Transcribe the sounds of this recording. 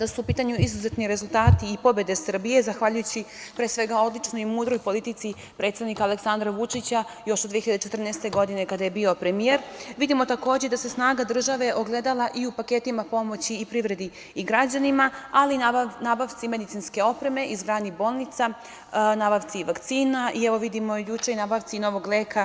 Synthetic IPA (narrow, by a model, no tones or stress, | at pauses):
d̪asuːpiːt̪aɲuizuze̞t̪niɾe̞zulˠt̪aːt̪iːpo̞be̞d̪e̞sr̩bije̞zaxʋaʎujut͡ɕipɾeːsʋe̞ɡao̞d̪lit͡ʃnojmuːd̪ɾo̞jpo̞lit̪it̪si | pɾe̞t̪st̪aʋnikale̞ksand̪ɾaʋut͡ʂit͡ɕajo̞ʃod̪ʋieiʎad̪et͡ʃe̞t̪rnest̪e̞ɡo̞d̪ine̞kad̪aje̞bio̞pɾe̞mije̞ɾʋid̪imo̞t̪ako̞ːd͡ʑed̪ase̞snaːɡad̪r̩ʒaʋe̞ʔoɡle̞d̪alˠaʔiupaket̪imapo̞mo̞t͡ɕiːpɾiʋɾe̞d̪iː | ɡɾad͡ʑanimaalinaːbaʋt̪sime̞d̪it̪sinske̞o̞pɾe̞me̞ʔizɡɾaːnibo̞ːlˠnit̪sa | naːbaʋt̪siʋakt̪siːnaʔiɛʋo̞ʋid̪imo̞jut͡ʂeinaːbaʋt̪sino̞ʋo̞ɡleːkʰa